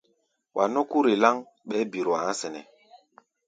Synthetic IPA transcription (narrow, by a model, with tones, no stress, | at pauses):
wʔa˨nɔ˦ku˦ɾe˨la˦ŋ | ɓɛ˨˦bi˨ɾɔ˨a˨˦sɛ˨nɛ˨